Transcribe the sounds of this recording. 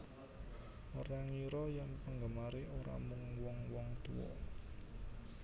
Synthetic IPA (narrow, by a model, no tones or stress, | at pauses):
məɾaŋjuɾɔjaŋpəŋɡəmaɾeoɾa̰muŋwɔŋwɔŋt̪uwɔ̰